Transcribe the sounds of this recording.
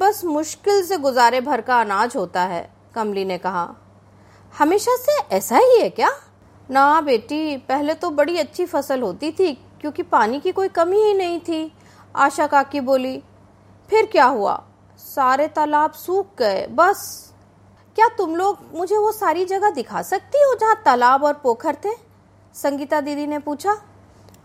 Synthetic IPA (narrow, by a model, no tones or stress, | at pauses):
bɐsmʊʃkɪls̬eɡʊzaːɾebʱɐɾkaɐnaːd͡ʒɦoːt̪aɦɛ̰ː | kɐmlinekɐɦa̰ː | hɐmeːʃaseɛːsaɦiɦɛkjaː | nɐɦãbeːʈipɛɦlet̪obɐɽiɐtːʃʰifɐsəlɦoːt̪it̪ʰi | kjõːkipaːnikikoːikɐmiɦinɐɦĩt̪ʰi | a̰ːʃakaːkːiboːli | pʰɪɾkjaːɦua̰ː | saːɾet̪ɐlaːbsuːk̚ɡɐḛbɐs | kjaːt̪ʊmloːɡmʊd͡ʒʱeʋosaːɾid͡ʒɐɡad̪ɪkʰa̰sɐk̚t̪iɦod͡ʒɐɦãt̪ɐlaːbɔːɾpoːkʰəɾt̪ʰeː | sɐ̃ŋɡiːt̪ad̪iːd̪inepuːt͡ʃʰaː